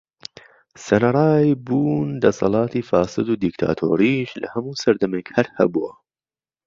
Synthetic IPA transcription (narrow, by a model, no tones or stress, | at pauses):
sɐnɐɾˤɑːjbuːnd̪ɐsɑ̰lˠɑːt̪ʰiːfɑːsɨd̪uːd̪ikt̪ʰa̰ːt̪ʰo̰ːɾiːʃlɐ̰hɐmuːsɐɾd̪ɐmekhɐɾhɐ̰buɐ̰